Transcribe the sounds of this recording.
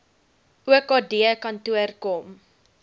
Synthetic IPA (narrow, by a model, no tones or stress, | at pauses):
uəkɔdiəkɐntuərkɔm